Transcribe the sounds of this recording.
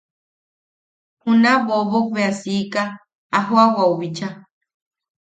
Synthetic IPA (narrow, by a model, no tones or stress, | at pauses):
hunaβoβoβeasikaː | ɦoawauβit͡ʃa